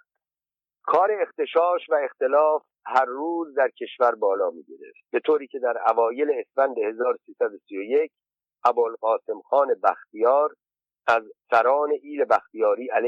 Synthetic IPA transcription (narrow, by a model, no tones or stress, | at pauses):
kʰɒːɾe̞ext̪e̞ʃɒːʃvæe̞xt̪e̞lɒːf | hæɾːuːzd̪æɾcʰe̞ʃvæɾbɒːlɒːmḭːɟeɾeft̪̚be̞t̪ʰoːɾiːcʰe̞d̪æɾævɒːje̞le̞ːsfænd̪e̞he̞zɒːɾosiːsæd̪o̞sijoje̞cʰ | ʔæbolɣɒːse̞mxɒːne̞bæxt̪ijɒːɾ | æzsæɾɒːne̞ʔiːle̞bæxt̪ijɒːɾiːʔæl